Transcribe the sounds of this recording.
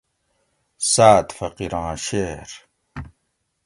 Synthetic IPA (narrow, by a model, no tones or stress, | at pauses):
saːt̪fɐqiɾãːɕeːɾ